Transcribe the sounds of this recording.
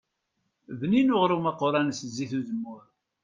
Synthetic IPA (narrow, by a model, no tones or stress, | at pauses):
ðninʊʁɾumɑqːoɾˤænəszːiθuðəmːʊɾ